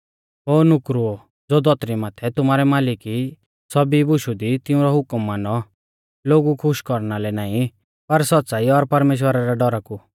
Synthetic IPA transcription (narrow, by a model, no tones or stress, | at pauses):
ɦoːnʊkɾuo | d͡zoːd̪ɔt̪ɾimaːt̪ʰɛt̪ʊmaːɾɛmaːlɪki | sɔbibʊʃud̪it̪ɪ̃ũɾɔɦʊkmːaːnɔ | loːɡukʰʊʃkɔɾnalɛnaːĩ | pɐɾsɔt̪ːsaːiɔɾpɐɾmeːʃ̬wəɾaɾaɖɔɾaku